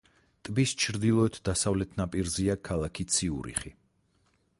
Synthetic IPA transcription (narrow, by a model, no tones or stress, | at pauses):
t̪ʼbist͡ʃʰɾd̪ilˠɔɛt̪ʰd̪asavlɛt̪ʰnapʼiɾziakʰalˠakʰit̪sʰiṵɾḭχi